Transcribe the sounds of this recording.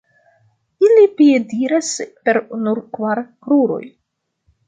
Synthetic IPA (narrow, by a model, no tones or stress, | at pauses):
ilipiediɾaspe̞ɾnuɾkvaɾkɾuɾo̞̰j